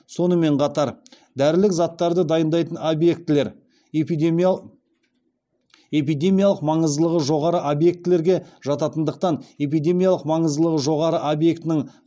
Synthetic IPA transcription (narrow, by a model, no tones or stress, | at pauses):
so̞nəme̞ɴqʰɑt̪ɑɾ | d̪æɾɪlɪkzɑt̪ːɑɾd̪əd̪ɑjənd̪ɑjt̪ənobje̞kt̪ɪle̞ɾ | p̪ | e̞p̬ijd̪ʲe̞mʲijɑlˠəqmɑɴəzd̪əlˠəʁəʒo̞ʁɑɾəʔobje̞k̚t̪ɪle̞ɾɡʲe̞ʒ̥ɑt̪ɑt̪ənd̪əq̚t̪ɑne̞p̬ijd̪e̞mijalˠəqmɑɴəzd̪əlˠəʁəʒo̞ʁɑɾəʔobje̞kt̪ɪnɪŋ